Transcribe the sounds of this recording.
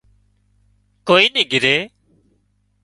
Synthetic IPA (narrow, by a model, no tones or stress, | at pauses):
koːiːnĩːɡɪɾeː